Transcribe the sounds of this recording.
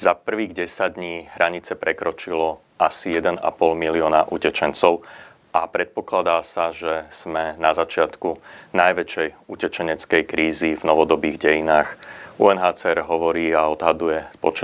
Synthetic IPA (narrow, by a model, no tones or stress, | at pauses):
zapr̩ʋiːɣɟɛsaɟd̪ɲiːɦɾʔaɲit͡sɛpɾɛkɾɔt͡ʃilɔ | asijɛd̪ɛna̰pɔlmiliɔːnaʔṵcɛt͡ʃɛnt͡sɔʊ | ʔapɾɛt̪̚pɔklad̪aːsaʒɛz̥mɛnazat͡ʃɪat̪kunajʋɛt͡ʃɛjucɛt͡ʃɛɲɛt͡skɛjkɾiːzivnɔʋɔd̪ɔbiːɣɟɛjinaːxṵɛnɦaːt͡sɛɛɾɦɔʋɔɾiːaɔd̪ɦad̪ujɛpɔ̰t͡ʃ